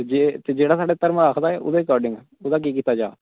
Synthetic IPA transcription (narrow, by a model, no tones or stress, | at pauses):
d͡ʒeːt̪eːd͡ʒeːɽaːsaːɖeːt̪əɾəmaːkʰd̪aːɛːʊ̰d̪eːɾɪkɔːɾɖɪŋɡɛːʊd̪aːk̬iːkiːt̪aːd͡ʒaː